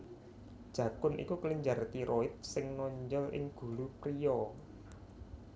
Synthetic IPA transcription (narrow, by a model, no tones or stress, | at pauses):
d̥ʒ̥ä̤kʊnʔḭkukliɲd͡ʒart̪iɾʔoɪt̪̚sɪŋnɔɲd͡ʒəlʔɪ̰ŋɡ̥ṳlupɾijɔ